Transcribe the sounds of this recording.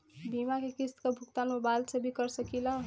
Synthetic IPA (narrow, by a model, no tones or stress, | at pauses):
bimakekist̪kobʱuk̚t̪anmobalsʌbikʌɾsʌkilʌ